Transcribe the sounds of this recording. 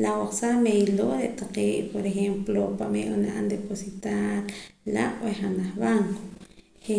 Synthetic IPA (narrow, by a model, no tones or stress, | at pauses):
lawaχsamejloɾeʔt̪aqeːʔpoɾexemplopamḛʔʔonaʔa̰nd̪eposit̪aɾla̰ʔweχanaχβaŋko̥ʃe